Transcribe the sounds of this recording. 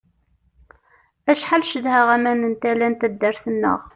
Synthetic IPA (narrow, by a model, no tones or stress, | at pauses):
æʃħalʃəðhəʁæmænənt̪ælænt̪æd̪ːəɾθənːə̰ʁ